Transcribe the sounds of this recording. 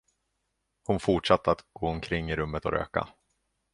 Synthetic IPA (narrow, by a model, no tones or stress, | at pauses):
hʊnfʊʈʂat̪ʰːəat̪ɡ̥oːɔmkʰɾɪŋːɪɾɵmːət̪ɔ̰ɾʔø̰ːka̰